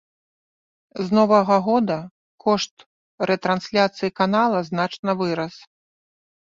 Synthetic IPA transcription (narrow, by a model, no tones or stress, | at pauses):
znɔvɐɣɐɣɔd̪ɐ | kɔʂt̪ | ɾɛt̪ɾansʲlʲat̪sɨjikanalˠɐznat͡ʂnɐvɨɾɐs